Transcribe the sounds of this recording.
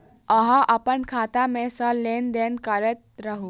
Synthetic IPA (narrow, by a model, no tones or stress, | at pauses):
əɦãʔəpənkʰaːt̪amẽsəlend̪enkəɾɛt̪̚ɾəɦu